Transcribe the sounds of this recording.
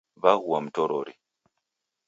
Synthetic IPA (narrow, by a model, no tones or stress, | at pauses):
βaɣuwam̩tɔɾɔɾi